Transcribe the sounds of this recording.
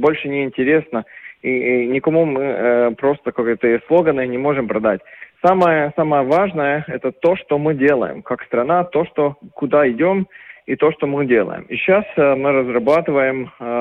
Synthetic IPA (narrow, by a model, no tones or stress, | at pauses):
bo̞lʲʂɨnʲɪɪnʲtʲɪɾʲe̞snəinʲɪkɐmumɨpɾo̞st̪əkɐkojt̪əɪslˠo̞ɡənːɨjnʲɪmo̞ʐɨmpɾɐd̪atʲsaməjəsaməjəvaʐnəjəɛt̪ət̪o̞ʂt̪omɨdʲe̞lˠə̰jɪ̰mkakst̪ɾɐnat̪o̞ʂt̪o̞kʊd̪aɪdʲo̞mit̪o̞ʂt̪o̞mɨdʲe̞lˠə̰jɪ̰miɕːasmɨɾəzrɐbat̪ɨvəjɪm